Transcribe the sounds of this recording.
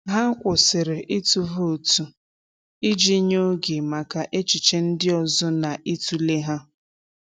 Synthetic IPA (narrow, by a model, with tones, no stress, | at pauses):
ɦa˦kʷʊ˨sɪ˨ɾɪ˨ʔi˦tu˨vo˦o˨tu˨ | i˦d͡ʒi˦ɲo˦ɡe˨ma˨ka˨ʔe˦t͡ʃi˨t͡ʃe˦n̩˦dɪ˦ɔ˨zɔ˦na˨ʔi˦tu˦le˦ɦa˦